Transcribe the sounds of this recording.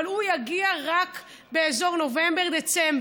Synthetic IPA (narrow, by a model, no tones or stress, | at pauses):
lujaɡiaʁak | be̞ezo̞ʁno̞vembeʁd̪et͡semb